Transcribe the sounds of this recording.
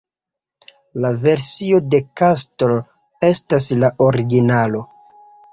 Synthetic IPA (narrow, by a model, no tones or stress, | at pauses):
lave̞ɾsio̞de̞kastol | e̞stas̬laʔo̞ɾiɡinalo̞